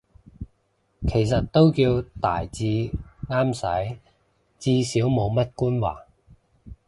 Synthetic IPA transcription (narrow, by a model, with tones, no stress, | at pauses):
kʰe˨˩jsɐ˨t̚t̪o˥wkiː˧wt̪a̰ː˨˩jt͡siː˧ŋaː˥msɐ̰˨˥j | t͡siː˧siː˨˥wmo˨˧wmɐ˥t̚kuː˥nwa̰ː˨˩